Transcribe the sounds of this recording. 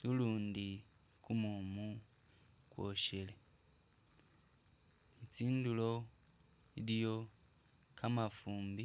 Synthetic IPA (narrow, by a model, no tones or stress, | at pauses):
luluːndi | kumumu | kwo̰ʃele | nit͡siːndulo | ilijo̞ | kʰamafuːmbi